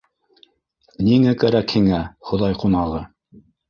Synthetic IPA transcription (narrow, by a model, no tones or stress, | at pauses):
niŋækæɾækhiŋæχŏðɑjqunɑʁɤ